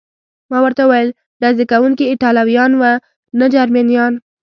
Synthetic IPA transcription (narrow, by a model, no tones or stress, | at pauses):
mɑwəɾt̪auwajəl | ɖ̪azikawuŋkiɪʈɑlawijɑnwa | nad͡ʒaɾmenjɑn